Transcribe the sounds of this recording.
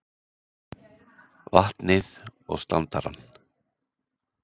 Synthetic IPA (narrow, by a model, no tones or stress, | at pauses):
vaht̪nɪðɔ̰ɣst̪ant̪aɾa̰nː